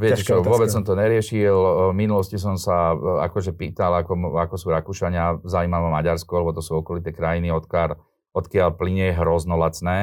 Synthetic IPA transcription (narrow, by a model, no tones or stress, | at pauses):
ʋɪɛct͡ʃɔʋɔbɛt͡ssɔmt̪ɔɲɛɾɪɛʃilminulɔscis̬ɔmsaa̰kɔʒɛpiːt̪alakɔakɔsuːɾakuʃaɲɪazaiːmaʋɛmaɟaɾskɔalɛbɔt̪ɔsuːɔkɔlit̪ɛːkɾajiniɔt̪kal | ɔt̪kɪaʎpliɲɛjɛɦɾɔznɔlat͡snɛː